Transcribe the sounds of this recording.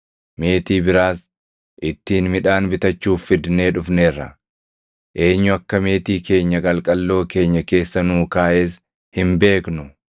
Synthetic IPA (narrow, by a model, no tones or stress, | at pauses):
me̞ːt̪iːbɪɾaːs | ʔɪt̪ːiːnmɪᶑaːnbɪt̪ɐt͡ʃːuːfːɪd̪ne̞ːᶑʊfneːrːɐ̰ | ʔe̞ːɲːʊɐkːɐme̞ːt̪iːke̞ːɲːɐɡʼɐlkʼɐlːo̞ːke̞ːɲːɐke̞ːsːɐnuːkaːʔeːs | hɪmbe̞ːknʊ